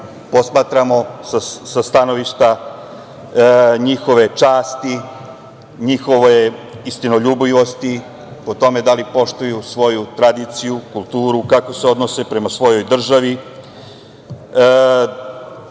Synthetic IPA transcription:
po̞smaːt̪ɾamo̞sasast̪ano̞ʋiʃt̪a | ɲixo̞ʋe̞t͡ʃaːst̪i | ɲixo̞ʋeist̪ino̞ʎuːbliʋo̞st̪i | po̞t̪o̞me̞d̪alipo̞ʃt̪ujusʋo̞jut̪ɾad̪it̪sijukulˠt̪uːɾukakose̞o̞d̪nose̞pɾe̞masʋo̞jo̞jd̪r̩ʒaʋi

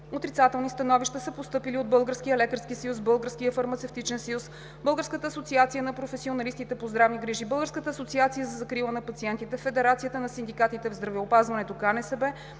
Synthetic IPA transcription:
ot̪ɾit̪sat̪ɛlˠnist̪ɐnɔviʃt̪əsəpost̪ɤpiliod̪̚bɤlˠɡəɾskijəlɛkəɾskisɐjusbɤlˠɡəɾskijəfɐɾmɐt̪sɛft̪it͡ʃɛnsɐjus | bɤlˠɡəɾskət̪əːsot̪siat̪sijənɐpɾofɛsionɐlist̪it̪ɛpozd̪ɾavniɡɾiʒibɤlˠɡəɾskət̪əːsot̪siat̪sijəzɐzɐkɾilˠənɐpɐt̪siɛnt̪it̪ɛfɛd̪ɛɾat̪sijət̪ənɐsind̪ikat̪it̪ɛvzd̪ɾɐvɛopazvɐnɛt̪okanɛsɛbɛ

